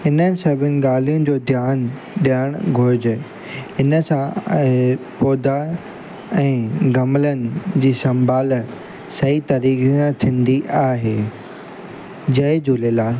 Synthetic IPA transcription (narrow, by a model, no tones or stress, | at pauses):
ɪnəsɐbʱɪnɪ̆ɠaːl̤ijʊ̃d͡ʑoːd̪ʱjaːn | ɗijaːɽ̃ɡʱʊɾd͡ʑ | ɪnəsã | pɔːd̪a | ɛ̃ːɡɐmlənɪ̆d͡ʑiːsɐ̃mbaːl | sɐit̪ɐɾiːksãt̪ʰĩːn̆d̪iʔaːɦeː | d͡ʑɐed͡ʑuːlelaː